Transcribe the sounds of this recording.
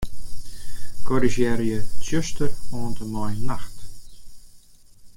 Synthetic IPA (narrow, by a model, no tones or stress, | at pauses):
kɔɾiʃɛːɾjəsjœst̪əɾɔːnt̪ʰənɔjnaxt̪